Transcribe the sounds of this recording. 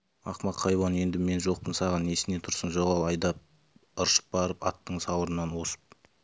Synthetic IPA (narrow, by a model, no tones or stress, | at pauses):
ɑqmɑqʰɑjbɑne̞nd̪ɪme̞nʒo̞q̚pənsɑʁɑne̞sɪne̞t̪ʰʊɾsənʒoqɑlˠɑjd̪ɑp̚ | əɾʃə̥p̚bɑɾəpɑt̪ːəɴsɑwəɾənɑnwo̞sə̥p̚